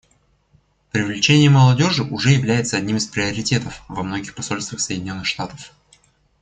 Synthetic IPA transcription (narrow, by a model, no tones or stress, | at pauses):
pɾʲɪvlʲɪt͡ɕenʲɪjəməlˠɐdʲo̞ʐɨʔʊʐɛjɪvlʲæjɪt̪səɐdʲnʲimɨspɾʲɪəɾʲɪtʲe̞t̪əfvɐmno̞ɡʲɪxpɐso̞lʲst̪vʲəxsəjdʲɪnʲo̞nːɨxʂt̪at̪ə̥f